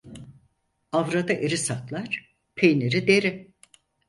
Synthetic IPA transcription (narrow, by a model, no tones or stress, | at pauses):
avɾad̪aʔeɾisat̪lˠaɾ̥ | pʰejneɾid̪eɾɪ